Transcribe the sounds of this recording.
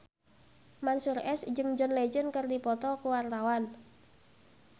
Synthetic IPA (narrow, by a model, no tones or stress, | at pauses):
mansurɛsd͡ʒɨŋd͡ʒɔnled͡ʒənkərdipɔt̪ɔkuwart̪awan